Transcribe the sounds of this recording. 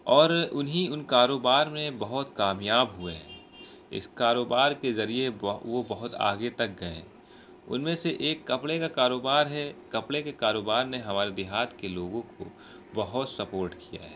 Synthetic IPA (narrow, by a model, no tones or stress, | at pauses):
ɔːɾʊnɦiʊnkaːɾoːbaːɾmẽbɐɦʊt̪kaːmjaːbɦʊḛɦɛ̰̃ː | ɪ̰skaːɾoːbaːɾkezɐɾieʋobɐɦʊt̪ʰa̰ːɡet̪ɐk̚ɡɐḛ̃ː | ʊ̰nmẽseʔeːkːɐpɽekakaːɾoːbaːɾɦɛkɐpɽekekaːɾoːbaːɾneɦɐmaːɾed̪ɪɦaːt̪keloːɡõko̰ | bɐɦʊt̪sɐpoːɾʈkija̰ɦɛ̰ː